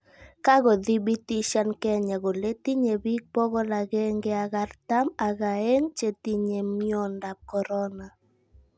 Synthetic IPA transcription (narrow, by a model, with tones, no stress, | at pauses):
ka˦ɡɔ˨d̪i˦bi˦t̪i˦ʃa˦nkɛ˦ɲa˨ɡo˨le˦t̪i˦ɲe˨bi˦k̚pɔ˦ɡɔ˦la˨ɡɛ˦ŋɡe˦a˨ɡa˦rt̪a˦ma˨ɣa˨e˦ŋt͡ʃe˨t̪i˦ɲe˨miɔ˦nda˨p̚kɔ˨ɾɔ˦na˨